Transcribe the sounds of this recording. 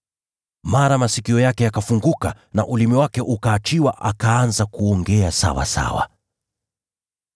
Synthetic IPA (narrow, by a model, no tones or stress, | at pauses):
maɾamasikiɔjakɛjakafuŋɡuka | na̰ʔulimiwakɛʔukaːt͡ʃiwaʔakaanzakuɔŋɡɛasa̰wa̰sa̰wa̰